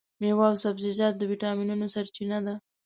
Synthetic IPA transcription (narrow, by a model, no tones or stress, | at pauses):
mewɑwsabzɪd͡ʒɑt̪̚d̪əwiʈɑminunosaɾt͡ʃinad̪a